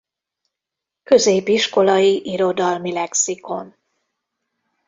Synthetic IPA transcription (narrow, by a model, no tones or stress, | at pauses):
kø̞zeːbiʃko̞lɒjiʔiɾo̞d̪ɒlmilɛksiko̞n